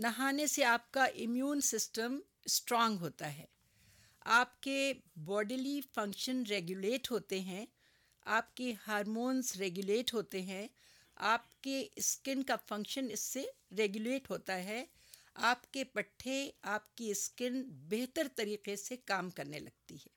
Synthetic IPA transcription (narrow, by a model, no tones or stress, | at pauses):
nɐɦaːneseaːp̚kaʔɪmjuːnsɪsʈəm | sʈɾɔ̃ːŋɡɦoːt̪aɦɛ̰ː | aːpkebɔːɖlifɐ̃ŋkʃənɾeːɡjuleːʈɦoːt̪eɦɛ̃ | aːpkehaːɾmoːnzɾeːɡjʊleːʈɦoːt̪eɦɛ̃ | aːpkeɪskɪnkafɐ̃ŋkʃənɪsːeɾeːɡjuleːʈɦoːt̪aɦɛ | aːpkepɐʈʰːeaːpkeɪskɪnbeɦt̪əɾt̪ɐɾiːqesekaːmkɐɾnḛlɐ̰ɡ̚t̪iɦɛː